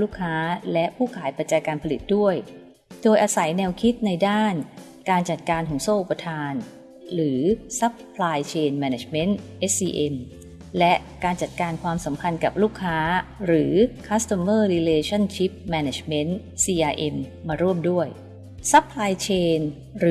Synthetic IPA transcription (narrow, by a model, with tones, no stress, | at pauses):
luː˥˩kʰːaː˦˥lɛ˦˥ʔpʰuː˥˩kʰaː˩˦jpa˨˩t̪̚t͡ɕaː˧jkaː˧npʰa˧li˨˩t̪̚du˥˩əj | doː˧jʔaː˧sa˩˦jnɛː˧wkʰi˦˥t̪̚na˧jdaː˥˩n | kaː˧nt͡ɕa˨˩t̪̚kaː˧nhu˨˩˦ŋsoː˥˩ʔu˨˩pːa˧t̪ʰaː˧n | ɾɯː˩˦sa˦˥pʰːlaː˧jt͡ɕʰeː˧nmɛː˧ne˧˩t͡ɕme˦˥nt̪ʔe˦˥siː˧ʔe˧m | lɛ˦˥ʔkaː˧nt͡ɕa˨˩t̪̚kaː˧nkʰwaː˧msa˩˦mpʰa˧nka˨˩p̚luː˥˩kʰːaː˦˥ɾɯː˩˦kʰa˦˥st̪a˧mɤː˥˩ɾi˧leː˧t͡ɕʰɔ˥˩nt͡ɕʰi˦˥p̚mɛː˧ne˩t͡ɕme˦˥n | siː˧ʔaː˧ʔe˧mːaː˧ɾu˥˩əmdu˥˩əj | sa˦˥pʰːlaː˧jt͡ɕʰeː˧n | ɾɯ˩